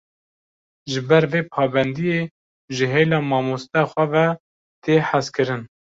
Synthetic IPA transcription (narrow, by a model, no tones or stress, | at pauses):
ʒɨbɛɾveːpʰɑːbɛnd̪ijeː | ʒɨɦeːlɑːmɑːmost̪ɛxʷɛvɛ | t̪ʰeːħaskɨɾɨn